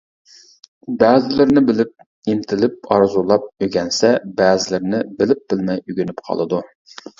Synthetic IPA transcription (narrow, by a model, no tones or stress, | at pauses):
bæːzɪlɪɾnɪbɪlɪp̚ | int̪ʰɪlɪp̚ɑɾzulˠɑp̚øɡʲɛnsɛbæːzɪlɪɾnɪbɪlɪp̚b̥ɪlmɛjyɡʲynypqʰɑ̰lˠɨd̪u